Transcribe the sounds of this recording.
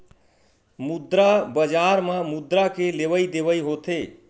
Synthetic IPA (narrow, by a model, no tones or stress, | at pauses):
mud̪ɾabəd͡ʒaɾmemud̪ɾakeleβəjd̪ebəjɦot̪ʰe